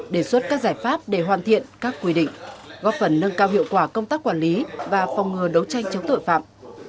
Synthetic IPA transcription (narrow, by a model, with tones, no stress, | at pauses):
ɗe˧˩swə˦˥t̚kaː˦˥k̚zaː˧˩jfaː˦˥p̚ɗe˧˩ɦwaː˨˩nt̪ʰḭ˧˨ənkaː˦˥kːwi˧ɗḭ̈˧˨ŋ̟ɣɔ˦˥p̚fə˨˩nːə˧ŋkaː˧wɦḭ˧˨əwkwaː˧˩kə˧wŋ͡mt̪aː˦˥k̚ːwaː˧˩nli˨˦vaː˨˩fɔ˨˩wŋ͡mŋɨ˨˩əɗə˨˦wt͡ɕa˧jŋ̟t͡ɕə˨˦ŋ͡mt̪o̰˧˨jfa̰ː˧˨ʔ